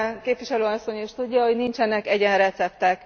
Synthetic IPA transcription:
keːpvʋiʃɛløːɒsːo̞ɲiʃt̪udːɒɦo̞ɟnint͡ʃɛnɛkɛɟɛnrɛt̪sɛpt̪ɛk

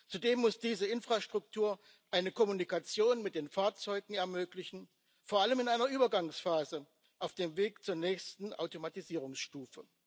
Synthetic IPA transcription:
t͡sudeːmːʊsd̥iːzəɪnfʁ̥aʃtʁ̥ʊk̚tʰuːɐ | ʔaɪnəkʰɔmunikat͡sjoːnmɪt̚d̥eːnfaːɐt͡sɔʏɡŋ̩ɛɐmøːklɪçn̩ | foːɐʔaləmɪnaɪnɐʔyːbɐɡaŋsfaːzə | ʔaʊfd̥eːmveːkt͡suːɐnɛːçstn̩ʔa̰ʊtomatiziːʁ̞ʊŋsʃtuːfə

